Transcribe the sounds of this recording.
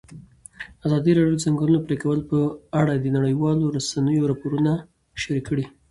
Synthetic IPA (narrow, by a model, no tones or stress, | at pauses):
azɑd̪iɾɑɖjod̪əzaŋɡɑnunopɾekawəlpəaɽad̪ənaɽəjwɑloɾasanəjoɾɑpoɾuna | ʃaɾikʰːəɽi